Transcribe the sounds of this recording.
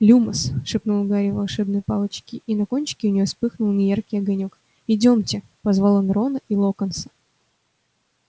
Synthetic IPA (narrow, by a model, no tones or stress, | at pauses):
lʲuməsʂɨpnulˠɡaɾʲɪvɐlˠʂɛbnəjpɑlˠət͡ɕkʲɪʔinɐko̞nʲt͡ɕɪ̥kʲɪʊnʲɪjospɨxnʊlˠnʲɪjarkʲijɐɡɐnʲok | ɪdʲo̞mtʲɪ | pɐzvalˠənɾo̞nəʔilˠokənsə̥